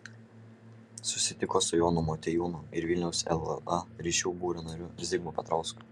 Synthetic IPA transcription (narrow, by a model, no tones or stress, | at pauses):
sʊsʲɪt̪ʲɪkoːsʊjoːnʊmɔt̪ʲɛjuːnʊɪɾʋʲɪlʲnʲɛʊsɛ̰lˠɐɾʲiːʃʲuʊbuːɾʲɪnoɾʲʊɾʲɛzʲɪɡmuːpʲɐt̪ɾɐʊskʊ̥